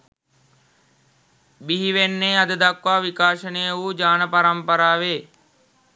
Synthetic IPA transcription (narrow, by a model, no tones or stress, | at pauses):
biɦiʋenːeːad̪əd̪akʋaːʋikaːʃənəjəʋuːd͡ʒaːnəpaɾəmpəɾaːʋeː